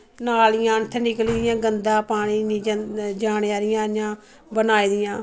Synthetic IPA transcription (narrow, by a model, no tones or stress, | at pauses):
naːlɪjãːt̪ʰɛnɪkəlid̪ɪjãːɡənd̪ãːpaːɽiːniːd͡ʒaːneːaːɾɪjãːɾɪjãː | bənaːiːd̪ɪjãː